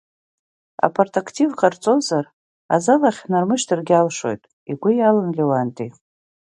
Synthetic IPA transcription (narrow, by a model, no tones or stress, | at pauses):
a̰pʰortʰʼakʰtʰivqʰʼart͡sʼozar | a̰zalaχʲnarmɨʃtʰɨrɡʲalʂo̞̰jtʼ | iɡʷʊjalanlʲewantʼi